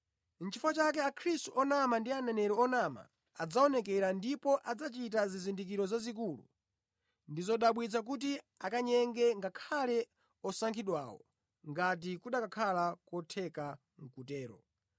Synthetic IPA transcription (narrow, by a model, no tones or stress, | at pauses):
n̩t͡ʃʰifɔt͡ʃak̬ɛakʰɾistuʔɔnamandianɛnɛɾɔɔnama̰ | ad͡zaɔnɛkɛɾandipɔʔad͡zat͡ʃit̬azizindik̬iɾɔzazik̬ulṵ | ndizɔɗaɓwid͡zak̬ut̬i | akaɲɛŋɡɛŋɡakʰalɛ | ɔsaŋkʰiɗwa̰ːwɔ̰ | ŋɡat̬ikuɗakakʰalakɔtʰɛka | ŋ̩kutɛːɾɔ̰